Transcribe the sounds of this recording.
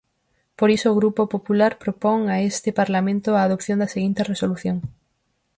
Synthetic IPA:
poɾisoːɣɾupopopulaɾpɾopoŋaest̪ɪpaɾlamẽnt̪ʊaːðopθjõnd̪aseɣint̪eresoluθjoŋ

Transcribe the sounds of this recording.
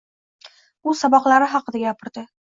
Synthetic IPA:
ʊsabɒqlˠaɾɪɦɑqɨd̪aɡʲapʰɪɾd̪ɪ

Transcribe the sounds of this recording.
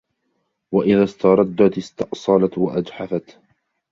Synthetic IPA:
waʔɪðaːst̪ɑɾˤɑd̪ːat̪ɪst̪ɑʔsˤɑlat̪waʔad͡ʒħafat̪

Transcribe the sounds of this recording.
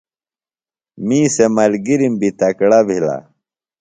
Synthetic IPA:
mĩːsemɐlɡiɾimbʱit̪ɐkɽabʱila̰

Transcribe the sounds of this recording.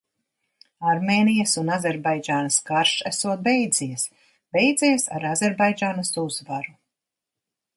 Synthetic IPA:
aɾmeːnijɐsunazʲɛɾbajd͡ʒaːnaskaɾʃæsuɔt̪̚bɛjd̪z̥ijas | b̥ɛjd̪zijsa̰ɾazɛɾbajd͡ʒaːnɐsuzvaɾu

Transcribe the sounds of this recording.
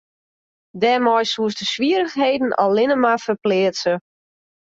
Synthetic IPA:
dɛmɔjsuəsdəsʋiəɾəxɦejdən̩ɔ̰lːɪnəmafərplɪːətsə

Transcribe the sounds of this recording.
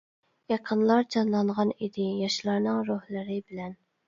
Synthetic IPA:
jɑqʰənlˠɑɾd͡ʒɑnlˠɑɴʁɑnid̪ɪjɑʃlˠɑɾnɨŋɾuhlˠɨɾɪbɪlɛn

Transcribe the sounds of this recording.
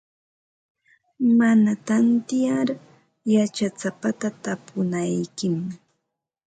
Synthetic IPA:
manat̪ant̪ɪjaɾ | jat͡ʃat͡sapat̪at̪apʊnajkɪm

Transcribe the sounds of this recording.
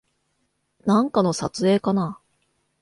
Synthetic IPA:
nãŋkano̞sat͡sɨe̞ːkana

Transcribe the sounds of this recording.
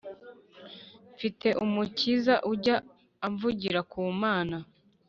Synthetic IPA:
ɱfite̞ʔumucizaʔuɟaː | ɱvuɟiɾakʰuːmaːna

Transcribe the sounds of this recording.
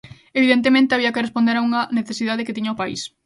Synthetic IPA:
eβiðent̪̬emẽnt̪eaβiɐkerespond̪eɾauŋɐneθesiðaðeket̪iɲɐopaḭs

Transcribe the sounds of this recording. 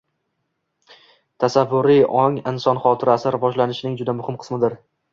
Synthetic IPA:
t̪ʰasavːʊɾiʔɒŋɪnsɒnχɒt̪ʰɪɾasɪɾɪvɒʒlanɪʃnɪŋd͡ʒʊd̪amʊhɪmqʰɨ̥smɪd̪ɪɾ

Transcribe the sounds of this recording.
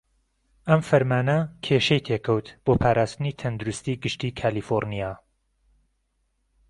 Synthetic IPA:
ʔɐmfɐɾmaːnɐkʰeːʃɐjt̪ʰeːkʰɐwt̪b̥oːpʰaːɾʔaːst̪ɨniːt̪ʰɐnd̪uɾust̪iːɡɨʃt̪iːkʰaːliːfoɾnijaː

